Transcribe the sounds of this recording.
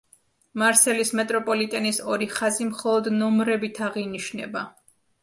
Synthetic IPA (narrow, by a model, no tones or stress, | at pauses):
maɾsɛlismɛt̪ʼɾɔpʼɔlit̪ʼɛnisɔɾiχazimχɔlˠɔd̪nɔmɾɛbit̪ʰaʁiniʃnɛ̰ba